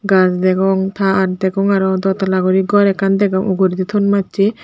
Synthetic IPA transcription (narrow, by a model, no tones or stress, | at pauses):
ɡasd̪ɛɡɔŋt̪ʰaːɾd̪ɛɡɔŋaɾɔd̪ɔt̪alaɡɔɾiɡɔɾɛkand̪ɛɡɔŋuɡuɾid̪it̪ʰɔnmatːt͡ʃi